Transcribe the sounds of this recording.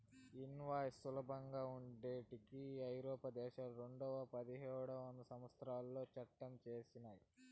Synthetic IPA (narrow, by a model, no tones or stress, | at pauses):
inʋaːjsulɐbɐŋɡaːuɳɖeːʈikiɐjɾɔːpɐd̪ɛːʃaːlɾe̞ɳɖɔʋɐpɐd̪iɦɛːɽɐond̪ɐsɐmʋɐst̪ɾaːlːo̞ːt͡ʃɐʈːɐmt͡ʃe̞ːsinaːji